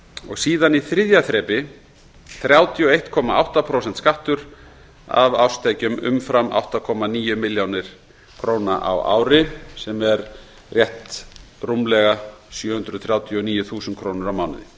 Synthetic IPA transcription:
ɔ̰ɣsiːðaniθɾɪðjaθɾɛːpɪ | θɾjawt̪ʰjɔejht̪kʰɔːmaa̰wht̪apʰɾows̬ɛnt̪skaht̪ʏɾ̥ | a̰vawst̪ʰajcʏmʏ̰mfɾamʔa̰wht̪akʰɔmaniːjʏmɪljownɪɾ̥ | kʰɾoːwnaʔa̰wa̰ːwɾɪsɛmɛɾ | rjɛht̪rumlɛɣasjœːhʏnd̪ɾʏðθɾjaːwt̪ʰjɔniːjʏθuːsʏnt̪kʰɾoːwnʏɾawmawnɪ̰ðɪ

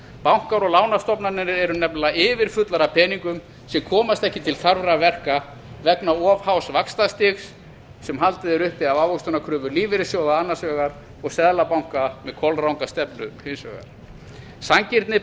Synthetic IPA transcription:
pawŋ̥kaɾɔɣlaːwnast̪ɔpnanɪnɪɾɛɾʏnɛpllaɪːvɪɾ̥fʏt̪laɾapʰɛːniŋkʏm | sɛmkʰɔːmast̪ɛhcɪt̪ʰɪlθaɾvɾavɛr̥ka | vɛknaɔvhawsvakst̪ast̪ɪxsː | ɛmɦalt̪ɪðɛɾʏhpɪavawvɔkst̪ʏnakʰɾʏːvʏliːvɪɾɪsjɔwɣaanːasvœːɣaɾ | ɔɣsɛðlapawŋ̥kamɛðkʰɔlrawŋkast̪ɛpnʏhɪnsvœ̰ːɣa̰ɾ̥ | saŋcɪɾt̪nɪ

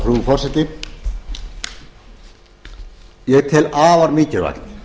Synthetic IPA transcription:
kɾuːfɔrsɛt̪ɪ | jɛɣt̪ʰɛlaːvaɾmiːcɪɾva̰knɪ̥

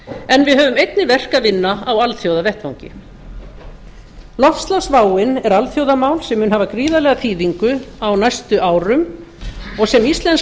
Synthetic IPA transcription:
ɛnvɪðɦœːvʏmejt̪nɪvɛr̥kaðvɪnːaawalθjowðavɛht̪vawŋcɪ̰ | lɔfst̪lawsvaːwɪnɛɾalθjowðamaːwlsɛmːʏːnɦaːvakɾiːðalɛːɣaθiːðiŋkʏawnajst̪ʏʔaːwɾʏm | ɔɣsɛmist̪lɛns

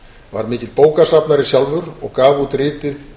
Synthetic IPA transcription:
va̰ɾmɪːcɪlpoːwkasapnaɾɪsjalvʏɾɔɣkaːvut̪ɾɪːt̪ɪθ

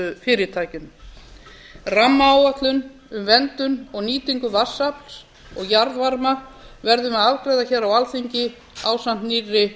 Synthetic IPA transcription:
ʏfɪːɾɪt̪ʰaːjcɪn | ramːaːwat̪lʏn | ʏmvɛnt̪ʏnɔɣniːt̪iŋkʏvasːapl̥s | ɔɣjaɾðvaɾmavɛɾðʏmɛðalkɾajðaçɛːɾawalθiɲcɪ | aːwsam̥t̪nirːɪ

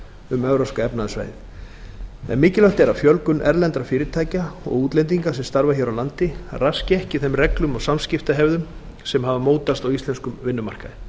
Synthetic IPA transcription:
ʏmœvɾowskaɛpnaðʏsva̰ːjθ | ɛ̰nmɪːcɪlœh̪t̪ɛɾafjœlkʏnʔɛ̰ɾlɛnt̪ɾafɪːɾɪt̪ʰaːjcaɔ̰ɣuːt̪lejnt̪iŋkasɛmst̪aɾvaçɛɾawlant̪ɪrascɪɛhcɪθɛmrɛklʏmɔɣsamscɪft̪aɦɛvðʏm | sɛmhavamoːwt̪ast̪awist̪lɛnskʏmvɪnːʏma̰r̥kaðɪ

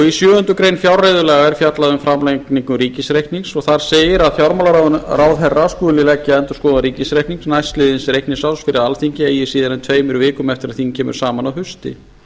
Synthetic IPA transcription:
ɔɣisjœːʏnt̪ʏkɾejnfjawrajðʏlɛːɣaɛɾ̥fjat̪laðʏmfɾamlekniŋkʏɾiːcɪsɾejhkniŋsɔɣθaɾ̥seːjɪɾaðfjawɾmalaɾrawðɦɛraskulɪlɛcːɪɛnt̪ʏɾ̥skɔːðaɾiːcɪsɾejhk̪niŋsnajst̪lɪðɪnsɾejhkniŋsawsfɪɾɪðalθiɲcɪejɪ̥siːðaɾɛnt̪ʰveːjmʏɾvɪːkʏmɛft̪ɪɾaðθincʰɛːmʏ̰ɾ̥saːmanawɦʏst̪ɪ̰

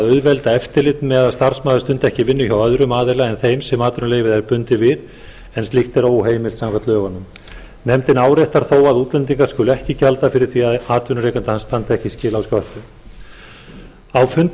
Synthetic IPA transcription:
ðœɥðvɛlt̪aɛft̪ɪlɪt̪nmɛðaðst̪ar̥smaːðʏst̪ʏnt̪ɛhcɪvɪnːʏçawœðɾʏmaːðɪlaɛnθejmsɛmaːt̪ʏɾnʏleːjvɪðɛɾpʏnt̪ɪvɪð | ɛnst̪lɪht̪ɛɾowɦeːjmɪlt̪samkvat̪lœːvanːʏm | nɛmt̪ɪnaːwɾeht̪aɾ̥θoːwaðuːt̪lɛnt̪̬iŋkḁskʏlʏɛhcɪcalt̪afɪɾɪɾ̥θiaðaːt̪vʏnʏɾejkant̪ɪhanst̪ant̪ɛhcɪscɪːlawskœht̪ʏ | awfʏnt̪

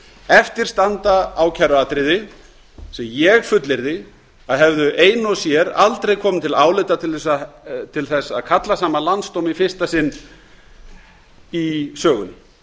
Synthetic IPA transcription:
ɛft̪ɪɾ̥st̪ant̪aaːwcʰaɾat̪ɾɪðɪ | sɛmjɛɣfʏt̪lɪɾðɪ | aðɦɛvðʏʔeːjnɔsjɛɾa̰lt̪ɾejkʰɔːmɪnt̪ʰɪlaːwlɪt̪at̪ʰɪlθɛsat̪ʰɪlθɛsːaa̰ðkʰat̪lasaːmalanst̪owmifɪ̥st̪asɪnː | isœːɣʏ̰n

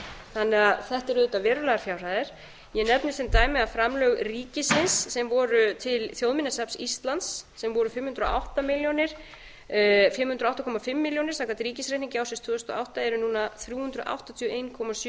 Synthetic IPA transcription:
θanːɛɣaðθɛht̪ɛɾʏːt̪avɛːɾʏlaɣaɾfjawr̥aːðɪɾ̥ | jɛnɛpnɪsθɪnt̪aːjmɪafɾamlœɣriːcɪsɪnsːɛmvɔɾʏt̪ʰɪlθjowðmɪnːasapsist̪lansːɛmvɔɾʏfɪmhʏnt̪ɾ̰ʔa̰wht̪amɪljonɪɾ̥ | fjɪmːhʏnt̪ɾawht̪akʰɔmafɪmːɪljownɪ̥saːkvat̪ɾiːcɪsrejh̪niŋɲcɪawsɪnst̪v̥ʏːðʏst̪ɔ̰awht̪aɛɾʏnuːnaθɾjuːhʏnt̪ɾʏ̰ʔa̰wht̪at̪ʰjœʔeːjnkʰɔmas

